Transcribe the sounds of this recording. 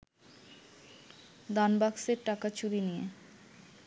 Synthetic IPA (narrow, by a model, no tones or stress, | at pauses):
d̪anbakseɾʈakat͡ɕuɾinije